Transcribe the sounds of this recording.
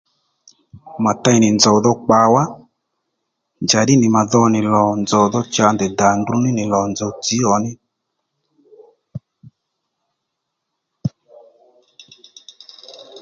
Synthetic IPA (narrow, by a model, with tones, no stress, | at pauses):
ma˨ta˧˦jnɪ˨nd͡zɔ˨wðɔ˧k͡pa˧wa˦ | nd͡ʒa˨ɗɪ˦nɪ˨ma˨ðɔ˧nɪ˨lɔ˨nd͡zɔ˨ðɔ˧t͡ʃa˧ndɛ˨da˨ndu˧nɪ˦nɪ˨lɔ˨nd͡zɔ˨ti˨˦ɔ˨˦nɪ˦